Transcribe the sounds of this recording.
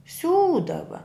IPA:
ˈsʲuːdɐʋɐ

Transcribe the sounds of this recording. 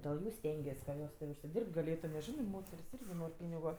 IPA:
dʲeːlˠ ˈjuː ˈsʲtʲɛŋʲɡʲiɛs kɐ ˈjoːs tʲɪ ʊʃʲsʲɪˈdʲɪrpt ɡɐˈlʲeːtʊ nʲɛs ˈʒʲɪnɜ ˈmoːtʲɛrʲsʲ ˈɪrʲɡʲɪ ˈnoːrʲ ˈpʲiːnʲɪɡʊ

